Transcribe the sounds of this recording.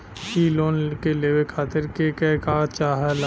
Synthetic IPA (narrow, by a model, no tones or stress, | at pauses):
iloːnkeleːwekʰaːt̪ɪɾkekɛkaːt͡ʃaːɦɛl